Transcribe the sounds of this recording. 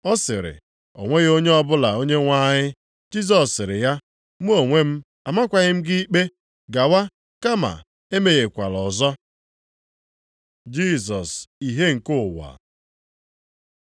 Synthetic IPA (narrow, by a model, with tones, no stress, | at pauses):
ɔ˦sɪ˨ɾɪ̰˨ | o̰˨ŋʷe˦ɣe˦o˦ɲe˦ɔ˦bʊ˦la˨o˦ɲe˦ŋʷa˦ɲɪ˦ | d͡ʒi˦z̬ɔ˨sɪ˨ɾɪ˨ja˦ | m˦o˨ŋʷe˦m̩˦ | a˨ma˦kʷa˨ɲɪ˦m̩˦ɡɪ˦i˦k͡pe˦ | ɡa˨wa˦ | ka˦ma̰˨ | e˦me˨ɣe˨kʷa˨lɔ˨zɔ˦ | d͡ʒi˦˨zɔ˨si˨ɦe˦ŋ̩˨kʊ˦˨wa̰˨